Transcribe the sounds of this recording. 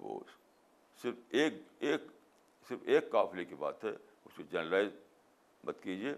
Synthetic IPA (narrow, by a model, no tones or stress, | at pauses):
ʋo̰ː | sɪɾfeːkeːk | sɪɾfeːkːaːflekiba̰ːt̪ɦɛ̰ | ʊsed͡ʒɐnəlaːɪz | mɐt̪kiːd͡ʒieː